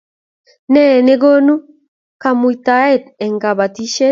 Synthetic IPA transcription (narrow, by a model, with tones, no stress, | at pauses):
nɛ˦˨ne˦ɡo˦nu˦ | ka˨mu˨jt̪a˨e˦t̪̚e˨ŋɡa˨ba˨t̪i˦ʃe˦